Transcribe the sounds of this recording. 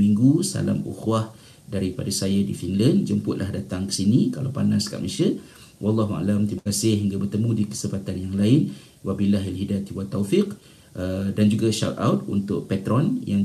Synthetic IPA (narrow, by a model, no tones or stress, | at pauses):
miŋɡusa̰la̰mṵxwah | daɾipadasajadifinlənd͡ʒəmpʊʔ̪lahdat̪aŋkə̥sinikalawpanaska̰ʔməʃə | wɑlːɑɦua̰lamt̪ibakasɪhɦiŋɡabərt̪əmũdikə̥səpat̪anjaŋlaɪn | wabilaɦalɦidat̪iwat̪ːawfiq | ədand͡ʒuɡaʃa̰t̪a̰wt̪̚ṵnt̪ʊʔ̚pɛt̪ɾɔnjaŋ